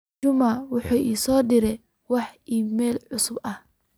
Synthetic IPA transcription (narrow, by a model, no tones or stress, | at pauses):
ʊmaːwʊħuːʔiːsɔːd̪ɪɾɛ | wɑħʔiːmɛːlʕʊsʊbʔɐh